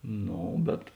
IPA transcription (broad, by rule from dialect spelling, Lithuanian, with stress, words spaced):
ˈnoː bʲɛt